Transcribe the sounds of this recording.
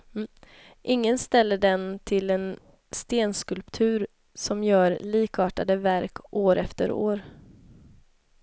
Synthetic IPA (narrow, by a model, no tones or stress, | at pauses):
ʔɪŋːənst̪ɛlːəɖɛnt̪ʰɪlɛn | st̪eːnskɵlpt̪ʰʉ̟ːɾ | sɔmjœːɾliːkʰɑːʈa̰d̪əvæɾkʔoːɾʔɛft̪ə̰ɾo̰ːɾ